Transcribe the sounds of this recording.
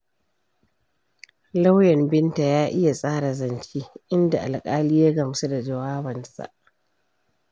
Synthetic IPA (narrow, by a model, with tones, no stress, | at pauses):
la˦wjɛ˨mbɪ˦nta˨jaː˦ʔɪ˦ja˨sʼaː˦ɽa˨zɐ˨nt͡ʃiː˦ʔɪ˦nda˨ʔa˨lkʼaː˦liː˦ja˦ɡɐ˨msu˦da˨d͡ʒɐ˨waː˦bɐ˨nsa̰˨ʔ